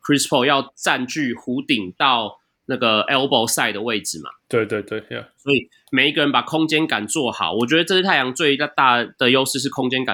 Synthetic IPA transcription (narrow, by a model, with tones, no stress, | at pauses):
kʰɹi˥spʰo˥˧ʊjɑ˥˧ʊt͡sa˥˧nt͡ɕy˥˩xu˨˦t̪i˨˩ŋt̪ɑ˥˨ʊ | na˥˩ɡə˩ɛ˦˥lpo˥˧ʊsa˥˩ɪd̪ə˩we˥˨˩ɪd͡zɻ̩˨˩ma̰˨˩t̪we˥˧ɪt̪we˥˧ɪt̪we˥˩swɔ˦˥i˨˩ | me˨˩ɪi˧˥ɡə˨ɻə˧˦npa˨˩kʰɔ˦˥ŋt͡ɕjɛ˥nka˨˩nt͡swɔ˥˨xɑ̰˨˩˦ʊwɔ˨˩t͡ɕɥɛ˧˥d̪ə˧ʈ͡ʂʂ̩˥t̪ʰa˥˩ɪjɑ˧˥ŋt͡swe˥˧ɪa˥˧t̪a˥˩d̪̥ə˨jo˥ʊʂɻ̩˥˧ʂ̬ɻ̩˥˩kʰɔ˥ŋt͡ɕɛ˥nka̰˨